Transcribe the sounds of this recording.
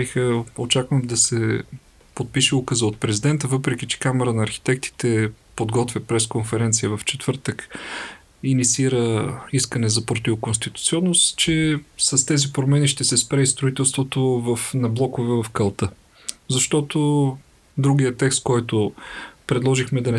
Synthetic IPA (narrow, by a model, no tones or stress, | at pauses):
ixəot͡ʃakvəmd̪ɐsɛ | pot̪̚piʃɛukəzəot̪̚pɾɛzid̪ɛnt̪əvɤpɾɛk̟it͡ʃɛ̥kamɛɾənɐːɾxi̥t̪ɛkt̪i̥t̪ɛpod̪ɡɔt̪vʲjəpɾɛskonfɛɾɛnt̪sijəvɐft͡ʃɛt̪v̥ɤɾt̪ək | init̪sʲiiɾəiskənɛzɐpɾt̪ivkonst̪it̪u̥t̪siɔnːost̪t͡ʃɛsɐst̪ɛzipɾomɛniʃt̪ɛsɛspɾɛist̪ɾʊit̪ɛlˠst̪vot̪ovɐfnɐblˠɔkovɛvɐfkɐlˠt̪ɤ | zɐʃt̪ɔt̪o | d̪ɾuɡijət̪ɛkst̪kɔjt̪opɾɛd̪lˠɔʒixmɛd̪ɐnɛ